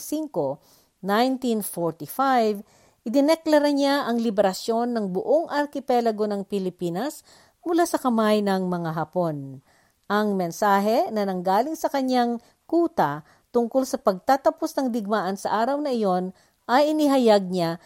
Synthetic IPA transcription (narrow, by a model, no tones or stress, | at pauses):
siŋko̞ | najnt̪infoɹt̪ifajv | ʔɪd̪ɪnɛklɐɾɐɲaʔɐŋlɪbɛɾɐsjo̞nːɐŋbʊʔo̞ŋʔɐɾkɪpɛlɐɡo̞nɐŋpɪlɪpiːnɐs | mʊlasɐkɐmajnɐŋmɐŋaɦapon | ʔɐŋmɛnsaːɦɛnɐnɐŋɡaːlɪŋsɐkɐɲjaŋ | kuːt̪ɐ | t̪ʊŋkolsɐpɐɡ̚t̪at̪ɐpo̞snɐŋd̪ɪɡ̚maːʔɐnsɐʔaːɾɐwnɐʔɪjo̞n | ʔɐjʔɪnɪɦɐjaɡ̚ɲa